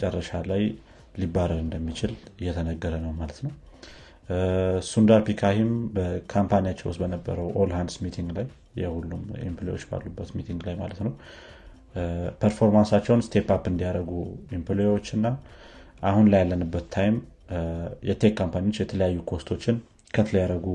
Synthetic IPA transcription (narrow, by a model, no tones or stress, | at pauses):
t͡ʃʼərːəʃalaj | libːaɾəɾɨnd̪əmːit͡ʃɪlɨjːɛt̪ʰənəɡːəɾənəwmalət̪nəw | sund̪aɾpikʰahimbəkʰampʰanijat͡ʃːɛ̰w̰st̪bənəbːə̰ɾəwʔolhand̪smit̪ʰiŋɡlajː | ɛ̰hulːumḭmpʰlewo̞̰t͡ʃːba̰lːubːət̪mit̪ʰiŋɡlajma̰lət̪nəw | pʰəɾfo̞ɾmansat͡ʃːɛwnst̪ʰe̞papɨnd̪ijaɾəɡuimplewot͡ʃːɨnːa | ʔahunləjalːənɨbːət̪ʰːajm | jɛt̪ʰe̞kʰːampaniot͡ʃːjɛt̪ʰələjajːukʰo̞st̪ʰo̞t͡ʃːɪn | kʰət̪ʰələjaɾəɡu